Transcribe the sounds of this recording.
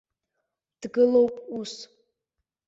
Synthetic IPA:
d̥ɡɨlo̞wpʼus

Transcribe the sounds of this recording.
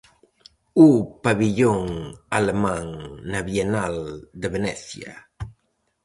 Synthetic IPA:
upaβiʎoŋalemãŋnaβjenald̪eβenɛθja̰

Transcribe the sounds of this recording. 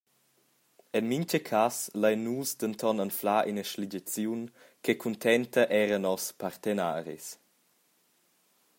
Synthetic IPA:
ɛnmiɲt͡ʃəkʰaslajnuːsd̪ənt̪ʰɔnənflaːʔinəʃliɟət͡sjun | kʰɛkʰunt̪ʰɛnt̪əʔɛːɾənɔspaɾt̪ena̰ːɾḭs

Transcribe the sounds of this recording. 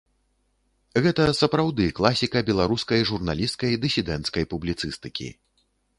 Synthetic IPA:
ɣɛt̪ɐsɐpɾawd̪ɨklˠasʲikɐbʲɛlˠaɾuskɐjʐurnalʲist̪kɐjd̪ɨsʲid̪ɛnt̪skɐjpublʲit̪sɨst̪ɨkʲḭ

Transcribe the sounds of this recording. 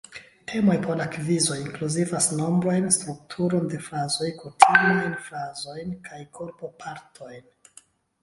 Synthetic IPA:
tʰe̞mo̞jpʰoɾlakvizo̞jiŋkluzivasno̞mbɾojnstɾuk̚tʰuɾo̞nde̞fɾazo̞jkʰutʰimajnfɾazo̞jnkʰajkʰo̞ɾpo̞pʰaɾtʰo̞jn

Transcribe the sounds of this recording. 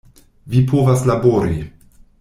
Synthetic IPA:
vipʰovaslabo̞ɾi

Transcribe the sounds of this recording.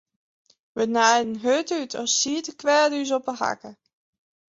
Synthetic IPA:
ʋənajdən̩ɦøtytʰɔ̰siːtəkʋɛɹdys̬ɔpəha̰kə

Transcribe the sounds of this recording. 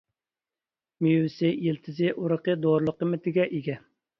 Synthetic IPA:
mijwɪsɪjilt̪ʰɪzɪʔuɾəqəd̪oɾlˠəqəmɪt̪ʰɪɡʲɛʔiɡʲɛ

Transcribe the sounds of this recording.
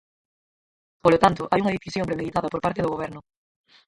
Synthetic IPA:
polot̪ant̪ʊʔajuŋɐðeθisjõmpɾemeðit̪aðɐpoɾpaɾt̪eðoɣoβɛɾnʊ

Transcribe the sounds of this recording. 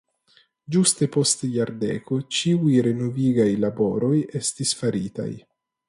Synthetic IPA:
d͡ʒuste̞po̞stjaɾdḛko̞t͡ʃiujɾe̞noviɡajlabo̞ɾo̞je̞stisfaɾita̰j

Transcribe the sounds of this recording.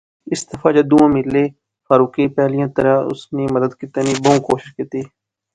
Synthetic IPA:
ɪsd̪əfãːd͡ʒəd̪uːãːmɪlːeː | faːɾuːkeːpɛːlijãːt̪əɾãːʊ̰sneːməd̪əd̪kɪt̪əniːbəũːkoːʃɪʃkɪt̪eː

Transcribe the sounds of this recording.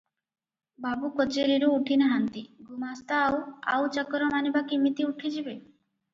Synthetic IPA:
babukot͡ʃeɾiɾuːʈʰinaɦant̪iɡumast̪aːwa̰wt͡ʃakɔɾɔmanibakimit̪iuʈʰid͡ʒibe

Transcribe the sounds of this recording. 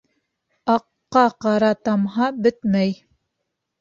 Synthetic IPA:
ɑqːɑqɑɾɑt̪ɑmɦɑbɘt̪mæj

